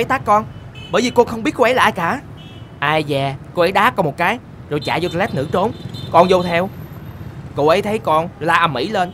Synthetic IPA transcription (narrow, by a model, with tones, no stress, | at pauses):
e˨˦jt̪aː˦˥kkɔ˧nɓəː˨˩jvi˨˩kɔ˧nxə˧wŋ͡mɓi˦˥ət̚ko˧ʔɛ˨˦la̰ː˧˨˧jkaː˧˩˦ | ʔaː˧jzaː˨˩ko˧ʔə˨˦ɗaː˨˦˥kɔ˨˧˦mo˨˩t̚kaː˨˦j | zo˨˩jt͡ɕa̰ː˧˨zo˧t̪ːlɛ˦˥t̚ŋɨ̰˧˥t͡ɕo˨˦nkɔ˧nzo˧t̪ʰɛ˧w | ko̰˧˨ʔə˨˦jt̪ʰə˨˦jkɔ˧nzlaː˧ʔə˧˩mḭ˧˥˦le˧n